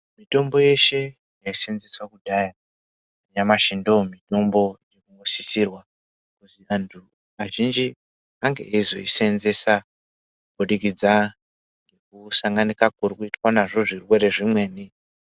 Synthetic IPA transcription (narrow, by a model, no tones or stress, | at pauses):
mito̞mbo̞je̞ʃe̞ | jaise̞nze̞swakudʱaja | aɲamaʃindo̞mito̞mbo̞jekuŋɡosisirwa | kutiantʰu | aʒind͡ʒi | aŋɡe̞̰ʔeizo̞̰ise̞nze̞sa | kubʱoɗikid͡za | ŋɡe̞kusaŋɡanikakurikuitwanaʐo̞ʐirwe̞ɾe̞ʐimwe̞ːni